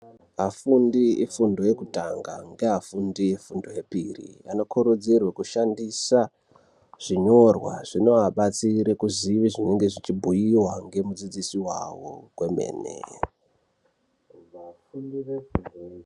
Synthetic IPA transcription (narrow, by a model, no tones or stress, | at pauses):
ɦafundiefundo̞je̞kutaŋɡa̰ŋɡe̞ɦafundiefundoje̞pirḭa̰no̞koɾud͡zirwekuʃandisa | ʐ̥iɲo̞rwa̰ʐ̥ino̞aɓat͡siɾekuziʋiʐineŋɡe̞ʐit͡ʃibʱujiwaŋɡe̞mud͡zid͡zisiwa̰wokwe̞mḛːnḛ | funi